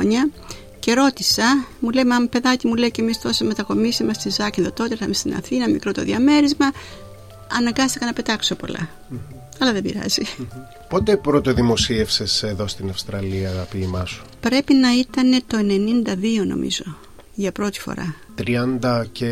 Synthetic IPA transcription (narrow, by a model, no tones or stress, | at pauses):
oɲɐ | ce̞ɾo̞t̪isɐmulejmɐmpe̞ðɐcimule̞icemist̪oseme̞t̪ɐko̞misimɐst̪izɐcinðot̪o̞t̪eiθɐmest̪inɐ̰θinɐmikɾo̞t̪o̞̰ðiɐme̞ɾizmɐ | ɐnɐŋɡɐst̪i̥kɐnɐpe̞t̪ɐkso̞po̞̰lɐ̰ | ɐlɐðe̞bḭɾɐ̰zi | po̞t̪e̞pɾot̪oðimo̞siefse̞seðo̞st̪inɐfst̪ɾɐliɐːɣɐpiːmɐsu̥pɾe̞pinɐit̪ɐne̞t̪o̞e̞ne̞nind̪ɐðio̞no̞̰mḭzo̞ | ʝɐpɾo̞t̪i̥fo̞̰ɾɐ̰ | t̪ɾiɐnd̪ɐce